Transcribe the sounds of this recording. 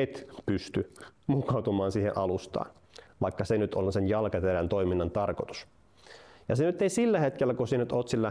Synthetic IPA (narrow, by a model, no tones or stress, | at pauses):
et̪pyst̪ymukˑɑwt̪umɑːnsiːhḛʔɑlust̪ɑ̰ːn | ʋɑikːɑsenyt̪olsenjɑlkɑt̪eɾænt̪oiminːɑnt̪ɑrkot̪u̥s | jɑsenyt̪ːeisilːæhet̪k̟elːækusinyt̪ot̪silːɑ